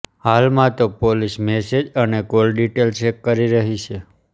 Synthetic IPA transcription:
halmãt̪opolismesed͡ʒənekolɖiʈelt͡ʃekːəɾiɾəɦit͡ʃʰe

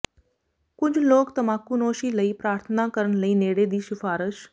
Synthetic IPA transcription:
kʊd͡ʒʱloːkt̪əmaːkunoːʃiləiːpɾaːɾt̪ʰənakəɾəɳləiːneːɽed̪iːʃɪfaːɾəʃ

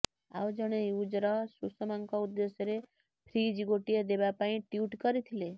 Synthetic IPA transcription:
a̰wd͡ʒəɽ̃eud͡ʒɾɔsusɔmaŋkɔud̪ːesjɔɾe | pʰɾid͡ʒiɡoʈijed̪ebapaĩʈjuʈkɔɾit̪ʰile

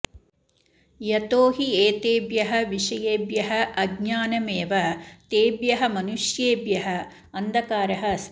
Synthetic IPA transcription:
jɐt̪oːɦieːt̪eːbjɐɦɐʋiʂɐjeːbjɐɦɐʔɐɡɲaːnɐmeːʋɐt̪eːbjɐɦɐmɐnuʃjeːbjɐɦɐ | ɐnd̪ɐkaːɾɐɦɐs

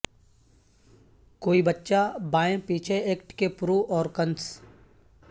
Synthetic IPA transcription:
koːibɐtːʃabaːẽpiːt͡ʃʰeeːkʈkepʊɾuːʔɔːɾkə̃ns

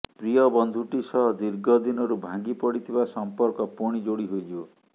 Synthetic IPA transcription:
pɾijɔbɔnd̪ʱuʈisɔɦd̪iɾɡɔd̪inɔɾubʱãŋɡipɔɽit̪ʰibasɔmpɔɾkɔpuɽ̃id͡ʒoɽiɦojd͡ʒi

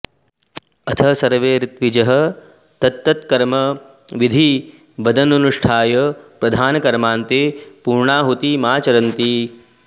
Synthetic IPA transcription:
ɐt̪ʰɐɦɐsɐɾʋeːɾit̪ʋid͡ʒɐɦɐ | t̪ɐt̪ːɐt̪kɐɾmɐ | ʋid̪ʱi | bɐd̪ɐnɐnuʂʈʰaːjɐpɾɐd̪ʱaːnɐkɐɾmaːnt̪eːpuːɾɳaːɦut̪imaːt͡ʃɐɾɐnt̪i

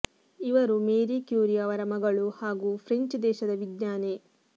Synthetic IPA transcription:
iʋɐɾumeːɾikjuːɾijaːʋɐɾɐmɐɡɐɭuhaːɡuːpʰɾeɲt͡ʃd̪ɛːʃɐd̪ɐʋid̪ɲaːneː

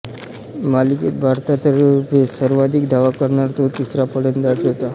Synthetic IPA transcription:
maliket̪̚bʱaɾt̪at̪əɾupesəɾʋad̪ikd̪ʱaʋakəɾɳaɾt̪ot̪isɾapəɽend̪at̪ɦot̪a

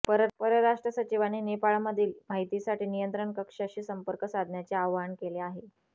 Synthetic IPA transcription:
pəɾət̪̚pəɾəɾaʂʈɾəsət͡ɕiʋaninepaɭaməd̪ʱiːlm̤aɦit̪isaʈiːnijənt̪ɾəɳkəkʂaɕiːsəmpəɾkəsad̪ʱnjat͡seaʋaɳkeleaɦe

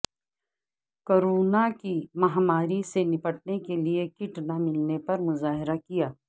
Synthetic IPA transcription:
koːɾoːnakimɐɦmaːɾisenɪpəʈnekeliekɪʈnamɪlnepɐɾmʊzaːɦɪɾakijaː

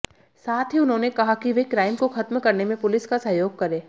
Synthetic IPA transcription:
saːt̪ʰɦiʊnɦõːnekɐɦakiʋekɾaːɪmkoxɐt̪mkɐɾnemẽpʊlɪskasɐɦjoːɡ̚kɐɾẽː

